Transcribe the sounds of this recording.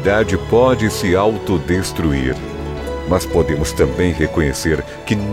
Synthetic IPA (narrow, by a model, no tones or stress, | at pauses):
d̪ad͡ʒɪpɔd͡ʒɪsɪawt̪od̪est̪ɾuḭɾ | mɐspod̪ẽmʊst̪ɐ̃mbẽj̃ɦekõɲeseɾ | kɪn